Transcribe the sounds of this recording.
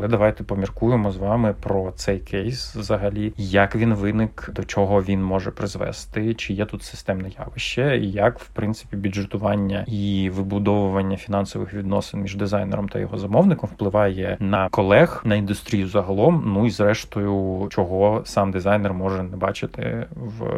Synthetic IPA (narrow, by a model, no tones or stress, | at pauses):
ɐlˠɛd̪ɐʋɑjt̪ɛpɔmʲirkujemɔzʋɑmɪpɾɔt̪sɛjkʰɛjsʋzɐɦɐlʲijɐkʋʲinʋɪnɪkd̪ɔt͡ʃɔɦɔʋʲinmɔʒɛpɾɪzʋɛ̰st̪ɪt͡ʃɪjɛt̪ut̪sɪ̥st̪ɛmnɐjɑ̰ʋɪʃt͡ʃːɛijɐkwpɾɪnt̪sɪ̥pʲibʲʊdʐet̪ʊʋɑnʲːɐiʋɪbʊd̪ɔʋʊʋɐnʲːɐfʲinɑnsɔʋɪ̰xʋʲid̪nɔ̰sɪnmʲiʒd̪ɪzɑjnɛ̰ɾɔmt̪ɐ̰jɔ̰ɦɔzɐmɔwnɪkɔmwplˠɪʋɑjɛnɐkɔlˠɛxnɐind̪ʊst̪ɾʲijʊzɐɦɐlˠɔmnuizɾɛʃt̪ʊjʊt͡ʃɔɦɔsɑmd̪ɪzɑjnɛrmɔʒɛnɛbɑt͡ʃɪt̪ɪ̰ʋ